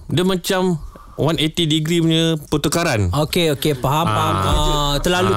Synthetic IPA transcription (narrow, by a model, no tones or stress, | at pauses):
damãt͡ʃam | wanet̪idiɡɾiɲə̃pət̪ukaɾanokeokepaɦampaɦamət̪əlalu